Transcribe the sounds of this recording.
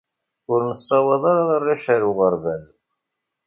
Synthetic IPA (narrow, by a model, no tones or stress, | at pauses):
ʊɾnəsˤːɑwɑðˤɑɾɑʁɑrːæʃæɾuʁəɾvæz